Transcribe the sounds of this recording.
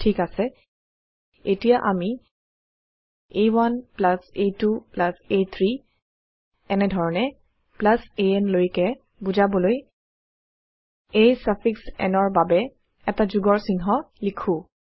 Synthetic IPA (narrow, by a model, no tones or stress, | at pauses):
tʰikasɛ | etijaʔami | ejwanplasetuplasejt̪ʰɹi | ɛnɛdʱɔɹɔnɛ | plaseɛnlojkɛ | buzabɔloj | ejsapʰiksɛ̰nɔɹbabɛ | ɛtazuɡɔɹsinɦɔ | likʰũ